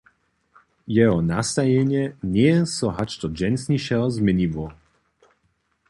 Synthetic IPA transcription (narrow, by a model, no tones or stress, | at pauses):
jɛɦɔnast̪ajɛɲɛnɛsɔɦat͡ʃt̪ɔd͡ʒɛnsniʃɛlzmɛɲivɔ